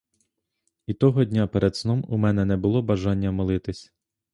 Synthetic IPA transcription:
it̪ɔɦɔdʲnʲapeɾʔɛd̪snɔmumɛnɛnɛbʊlˠɔbɐʒɑnʲːɐmɔlˠɪt̪ɪsʲ

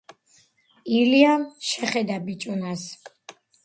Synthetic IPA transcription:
ilianʃɛχɛd̪abit͡ʃʼunas

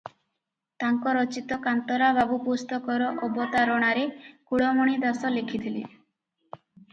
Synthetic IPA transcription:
t̪aŋkɔɾɔt͡ʃit̪ɔkant̪ɔɾababupost̪ɔkɔɾɔʔɔbɔt̪aɾɔɽ̃aɾekuɽɔmɔɽ̃id̪asɔlekʰit̪ʰilḛ

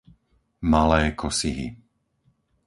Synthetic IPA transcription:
malɛːkʰɔsiɦḭ

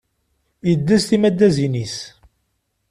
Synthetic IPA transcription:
jəd̪ːæsθimæd̪ːæzinis

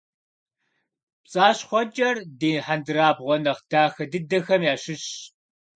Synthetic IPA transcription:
pt͡sʼaːɕχʷɔd͡ʒʼɐrdeːħandɨraːbʁʷɔnɐχd̥aːxɐdɨdɐxɐmjaːʃɪɕ

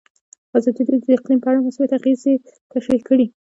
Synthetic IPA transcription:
azɑd̪id̪d̪əɪqlimpəaɽamasujat̪aɣeze | t̪aʃɾikəɽi

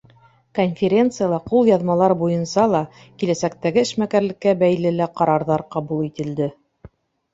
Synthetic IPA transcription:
konʲfʲeɾʲe̞nt̪sɨjalˠɑqulˠjɑðmɑlˠɑɾbujɤ̆nsɑlˠɑ | kilæsæk̚t̪æɡɘɘ̆ʃmækæɾlɘ̆kːæbæjlɘlæqɑɾɑɾðɑɾqɑβulˠit̪ɘ̆ld̪ɘ

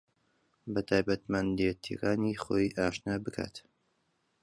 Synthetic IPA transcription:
bɐt̪ʰaːjbɐt̪mand̪et̪ʰḭɾaːniχojʔaːʃnabɨkʰa̰t̪

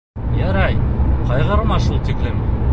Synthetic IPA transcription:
jæɾɑjqɑjʁɤ̆ɾmɑʃulˠt̪iklɘm

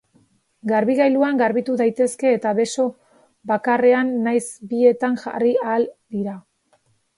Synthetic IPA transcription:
ɡaɾβiɣajluaŋɡaɾβit̪uðajt̪e̞ske̞ːt̪aβe̞so̞ | bakare̞anːajsbie̞t̪aŋʝa̰riald̪iɾa

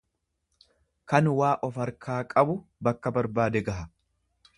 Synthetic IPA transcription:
kɐnwaːʔɔfɐɾkʰaːkʼɐbʊbɐkːɐbɐɾbaːd̪ɛɡɐɦɐ

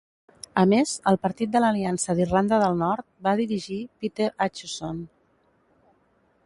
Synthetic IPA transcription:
əmezəlˠpəɾt̪it̪̚d̪ələliansəðirland̪əðəlˠnɔɾt̪̚baðiɾiʒipit̪eɾat͡ʃuson

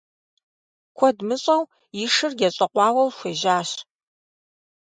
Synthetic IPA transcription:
kʷʰɔdmɨɕʼɐw | jɪʂɨrɡʲɛɕʼɐqʷɑːwɐwʃʷeːʒaːɕ

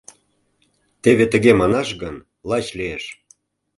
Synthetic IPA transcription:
t̪eβet̪ə̆ɣemɑnɑʃɣən | lɑt͡ɕlieʃ

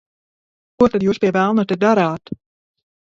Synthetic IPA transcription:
kuɔt̪ad̪juːspʲiɛvælˠnɔt̪ɛd̪aɾaːt̪

